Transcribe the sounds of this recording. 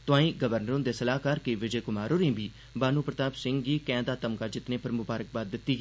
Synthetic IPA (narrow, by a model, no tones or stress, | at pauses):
t̪ʊãːĩːɡəʋəɾnəɾõːd̪eːsəlaːkəɾkeʋɪd͡ʒeːkʊmaːɾoːɾẽːbiː | baːnũːpɾət̪aːbsɪ̃ŋɡɡiːkɛ̃ːnd̪aːt̪əmkaːd͡ʒɪt̪nẽːpəɾmʊbaːɾək̚baːd̪ːɪt̪ːiːɡː